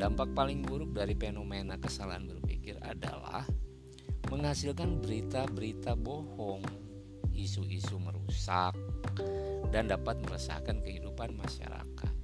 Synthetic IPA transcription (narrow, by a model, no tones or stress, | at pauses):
dampak̚palɪŋbuɾʊp̚daɾifenomenakəsalaɦanbərpḭkɪra̰da̰la̰h | məŋɦasilkanbəɾit̪abəɾit̪abohɔŋ | isuʔisuməɾusak̚ | dandapat̪̚məɾəsa̰hkankəɦidupanmaʃa̰ɾa̰kat̪̚